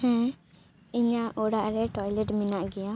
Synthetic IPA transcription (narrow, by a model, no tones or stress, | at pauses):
hɛ̃ː | ɪɲãːʔoːɽaːɾɛːʈɔːjilɛʈmɪnãːɡɪjãː